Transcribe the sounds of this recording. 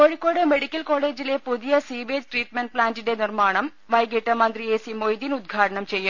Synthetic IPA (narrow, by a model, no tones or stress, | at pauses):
koɻikʲːoːɽeme̞ɽikʲːɐlko̞ːɭe̞ːd͡ʑilepuðijɐsiːʋeːd͡ʑʈriːʈ̚meɳʈ̚plaːndinde̞nirmaːɳɐm | ʋɐjɡeʈːɐmɐnd̪rieːsimojd̪inud̪̚ɡʱaːʈɐɳɐmt͡ɕe̞jːum